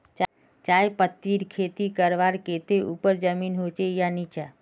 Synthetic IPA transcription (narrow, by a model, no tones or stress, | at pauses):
t͡ʃ | t͡ʃaːjpət̪ːiɾkʰet̪ikəɾʋaɾket̪eʔupəɾd͡ʒəminɦot͡ʃejanit͡ʃa